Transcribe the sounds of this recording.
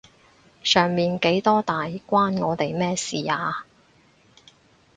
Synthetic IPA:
sœː˨˩ŋmiː˨nke˨˥jt̪ɔː˥t̪aː˨jkʷaː˥nŋɔː˨˧t̪e˨jmɛː˥siː˨aː˨˧

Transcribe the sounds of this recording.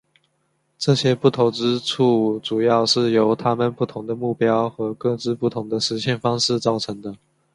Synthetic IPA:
ʈ͡ʂɤ˥˧˩ɕjɛ˥pu˥˩t̪ʰo˧˥ʊʈ͡ʂɻ̩˥ʈ͡ʂʰu˥˩ʈ͡ʂu˨˩jɑ˥˧ʊʂɻ̩˥˩jo˧˥ʊt̪ʰa˥mə˨npu˥˩t̪ʰʊ˧˥ŋd̪ə˨mu˥˩pjɑ˥ʊxɤ˧˥kɤ˥˧ʈ͡ʂɻ̩˥˧pu˥˩t̪ʰʊ˧˥ŋd̪ə˧ʂɻ̩˧˥ɕjɛ˥˩nfɑ˥ŋʂɻ̩˥˧t͡sɑ˥˩ʊʈ͡ʂʰɤ˧˥ŋd̪ə˧

